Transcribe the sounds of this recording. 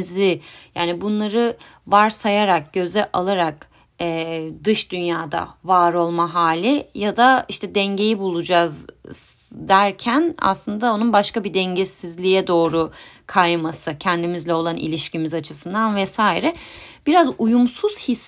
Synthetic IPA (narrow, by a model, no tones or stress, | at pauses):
zɪjaːnibunlˠaɾɯ | vaɾsajaɾak̚ɟ̥ø̞zɛʔalˠaɾak | ɛːd̪ɯʃd̪ynjaːd̪a̰vaːɾo̞lˠmaɦaːlʲɪjad̪aiʃt̪ʰɛd̪ɛɲɟe̞jibulˠud͡ʒaz | d̪æɾcʰæna̰slˠɯnd̪ao̞nunbaʃkabid̪ɛɲɟɛsizlʲijɛd̪o̞ːɾu | kʰajmasɯcʰɛnd̪imizlʲɛo̞lˠanʔḭlʲiʃcimizat͡ʃʰɯsɯnd̪anvɛsaːjiɾɛb̥iɾazujumsuz̥his